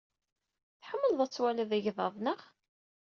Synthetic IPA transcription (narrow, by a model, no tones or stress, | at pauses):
θħəmːəlðˤæt͡sːwælæðæʝðˤɑ̰ðˤnəʁ